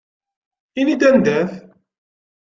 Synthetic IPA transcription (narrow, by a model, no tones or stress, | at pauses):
inid̪ænd̪æθ